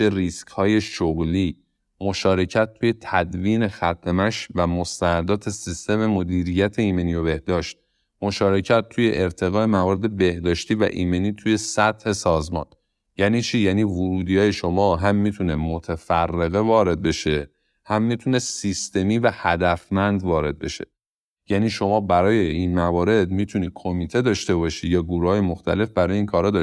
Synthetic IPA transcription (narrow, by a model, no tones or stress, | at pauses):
eriskhɒːje̞ʃoɣliː | mo̞ʃɒːɾe̞cʰæt̪̚ːʰuːje̞t̪ʰæd̪viːne̞xæt̪̚ʰemæʃvæmo̞st̪ænæd̪ɒːt̪ʰe̞sist̪e̞me̞mod̪iːɾijæt̪ʰe̞iːme̞niːjobe̞hd̪ɒːʃt̪̚ | mo̞ʃɒːɾe̞cʰæt̪̚ʰːuːje̞ʔeɾt̪ʰe̞ɣɒːemævɒːɾed̪e̞be̞hd̪ɒːʃt̪iːvæ̰ʔiːme̞niːt̪ʰuːje̞sæt̪he̞sɒːzmɒ̰ːn | jæːniːt͡ʃʰiːjæːniːvoɾuːd̪iːɒːjeʃo̞mɒːɦæmːiːt̪ʰunemot̪ʰefærːeɣe̞vɒːɾe̞d̪̚be̞ʃe̞ | hæmːiːt̪ʰunesist̪e̞miːvæhæd̪æfmænd̪vɒːɾe̞d̪̚be̞ʃḛ | jæːniːʃo̞mɒːbæɾɒːje̞inmævɒːɾe̞d̪miːt̪ʰuniːd̚kʰomiːt̪ʰe̞d̪ɒːʃt̪e̞bɒʃiːd̪jɒːɡuːɾuhɒːjemoxt̪ʰæ̰le̞fbæɾɒːjeinkʰɒːɾhɒːd̪ɒː